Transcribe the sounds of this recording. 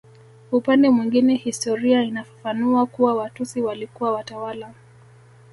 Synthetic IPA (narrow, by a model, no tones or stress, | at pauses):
upandɛmwiŋɡinɛhistɔɾiainafḁfanuakuwawatusiwalikuwawatawala